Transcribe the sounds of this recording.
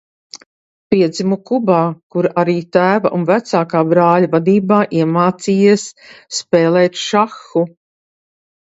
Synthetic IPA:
piɛd̪zimukubaːkuɾʔaɾiːt̪æːvɐ̰ʔunvæt̪saːkaːbɾaːlavad̪iːbaːʔiɛmaːt̪siːjiɛsːpɛːlˠɛːt̪ʃaxːu

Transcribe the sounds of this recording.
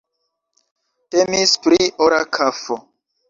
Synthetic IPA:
temispɾiʔoɾakʰafo

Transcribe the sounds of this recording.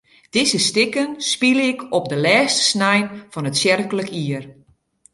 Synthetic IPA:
d̥izəstɪkənspiləɪkʰɔp̚dəlɛːstə̥snɛjnfɔnətsjɛrkələkiər

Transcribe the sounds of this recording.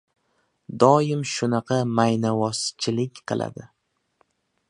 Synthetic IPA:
d̪ɒjɪmʃʊnɑqʰɑmajnavɒst͡ʃʰɪlɪkʲqʰɨ̰lˠa̰d̪ɪ

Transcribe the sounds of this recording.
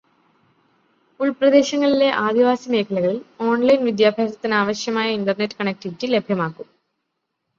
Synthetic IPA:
uɭprɐd̪e̞ːɕɐŋːɐɭile̞ʔaːd̪iʋaːsɐme̞ːkʰɐlɐɣɐɭilo̞ːɳlɐjnʋid̪jaːbʱaːd̪ɐt̪ːinaːʋɐɕjɐmaːjɐindɐrnetːɨ̥kɐɳek̚ʈiitːɨle̞bʱjɐmaːkːum

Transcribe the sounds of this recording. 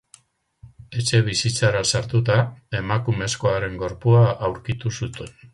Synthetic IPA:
e̞t͡ʃe̞β̞isit͡saɾasaɾt̪ut̪̬ae̞makume̞sko̞aɾe̞ŋɡo̞ɾpuaʔawɾkit̪usut̪en

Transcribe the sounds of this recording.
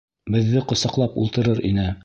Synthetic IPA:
bɘ̆ðːɘqŏsɑqlˠɑpṵlˠt̪ɤ̆ɾɤɾʔinɘ

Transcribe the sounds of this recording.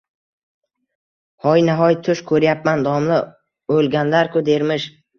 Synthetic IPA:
hɒjnaɦɒjt̪ʰʊʃkʰɵɾjap̚mand̪ɒmlɪ | olɡʲanlaɾkʰʊd̪e̞ɾmɪʃ

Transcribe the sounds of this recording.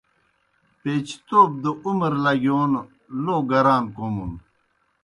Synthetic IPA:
peːt͡ɕʰt̪oːb̚d̪əumɾlɐɡjoːn | loːɡɐɾaːnkomun

